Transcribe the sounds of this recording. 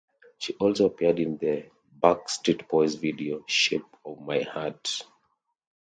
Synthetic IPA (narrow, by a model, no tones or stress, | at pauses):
ʃiʔɔlsoapidĩnðə | bakstɹitpɔɪsvidioʃep̚ɔvmaɪhat